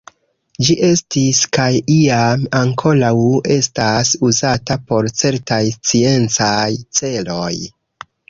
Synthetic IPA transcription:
d͡ʒiʔe̞stiskajiamaŋkʰo̞lawe̞stasuzatapo̞ɾt͡se̞ɾtajst͡sie̞nt͡sajt͡se̞lo̞j

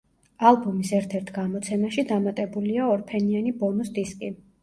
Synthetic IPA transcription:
alˠbumisɛɾt̪ʰɛɾt̪ʰɡamɔt̪sʰɛmaʃid̪amat̪ʼɛbuliaɔɾpʰɛnianibɔnusd̪iskʼi

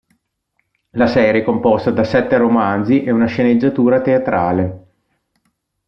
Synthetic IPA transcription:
lasɛːɾjekompɔst̪ad̪asɛt̪ːeɾomand̪ziʔɛunaʃened͡ʒːat̪uːɾat̪eat̪ɾaːle

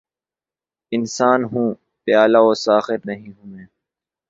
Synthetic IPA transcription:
ɪnsaːnɦũː | pɪjaːlaoːsaːxɪɾnɐɦĩɦũːẽː

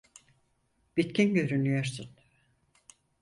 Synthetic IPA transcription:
b̥it̪cinɟø̞ɾynyjo̞ɾsun

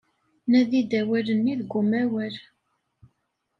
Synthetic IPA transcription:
næðid̪æwælənːiðɡʷʊmæwəɾ

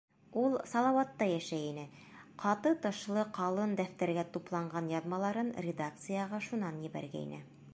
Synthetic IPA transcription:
ulˠsɑlˠɑwɑt̪ːɑjæʃæinɘ | qɑt̪ɤt̪ɤ̆ʃlˠɤqɑlˠɤnd̪æft̪æɾɡæt̪uplˠɑɴɢɑnjɑðmɑlˠɑɾɤnrʲɪd̪ak̚t̪sɨjɑʁɑʃunɑnjɘ̆bæ̰ɾɡæ̰ḭnɘ̰

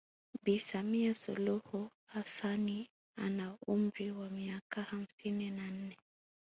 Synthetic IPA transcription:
bisamiasṵluhuhasani | a̰naumɾiwamiakaham̩sininan̩nɛ

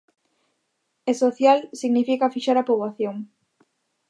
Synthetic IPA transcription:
esoθjalsiɣnifikafiʃaɾapoβaθjoŋ

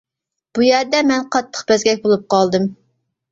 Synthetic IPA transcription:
b̥ujɛɾd̪ɛmɛnqʰɑt̪ʰːə̥qbɛzɡʲɛk̚ʲbolˠup̚qɑlˠd̪ɨm

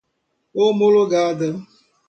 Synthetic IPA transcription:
omoloɡaadə

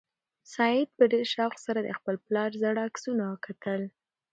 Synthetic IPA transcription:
sɑɪd̪̚pəd̪eʃɑxsaɾad̪ə̰xpəlplɑɾzaɽɑksunawəkat̪ʰəl

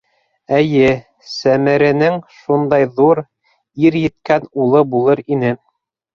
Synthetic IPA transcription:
ɘjɘ | sæmɘ̆ɾɘ̆nɘŋʃund̪ɑjðuɾ | iɾjɘ̆t̪kænulˠɤbulˠɤɾinɘ

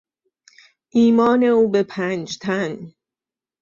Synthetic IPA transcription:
ʔiːmɒːne̞uːbe̞pʰænd͡ʒt̪ʰæn

